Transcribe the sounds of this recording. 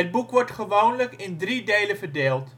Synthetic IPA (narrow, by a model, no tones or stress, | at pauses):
əd̚bukʋɔɹtχəʋownləkɪndridejləvərdeːlˠt